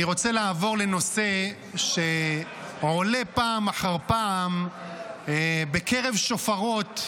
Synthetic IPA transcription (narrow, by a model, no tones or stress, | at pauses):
iʁo̞t͡selaːvo̞ʁle̞no̞se | ʃe | ʕole̞paːmaħaʁpaːm | be̞keʁe̞vʃofaʁo̞t̪